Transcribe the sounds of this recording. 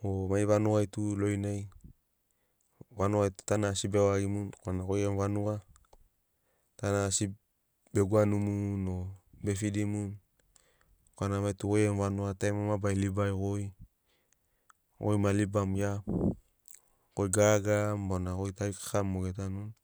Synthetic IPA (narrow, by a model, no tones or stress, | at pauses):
omajβanuajtulojnaj | wanuajtu̥tanasibewaɡimunkoanakojenvanua | tanasi | b̥eɡuanumunobefidimun | koanamajtukojenvanuatajmamabajlibajkoj | o̰jmalibamjap | kojɡaɡambonakojtaikḁamːoɡetanun